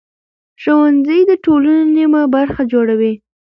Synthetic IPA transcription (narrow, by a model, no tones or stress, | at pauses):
ʃowanzəjd̪əʈolannimabaɾxad͡ʒoɽawi